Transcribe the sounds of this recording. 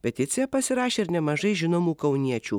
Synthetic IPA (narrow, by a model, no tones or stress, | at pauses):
pʲɛt̪ʲɪt̪sʲɪjɛpɐsʲɪɾɑːʃʲeːɪɾnʲɛmɐʒɐɪʒʲɪnoːmuːkɐʊnʲiɛt͡ʃʲuː